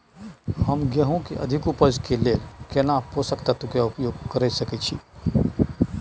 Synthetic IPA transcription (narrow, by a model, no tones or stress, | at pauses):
həmɡɛɦõkeʔɐ̰d̪ʱɪkupəd͡ʒkeleːlkenaposəkt̪at̪ukjaʊpjoːɡkəɾɛsɐket͡ʃʰi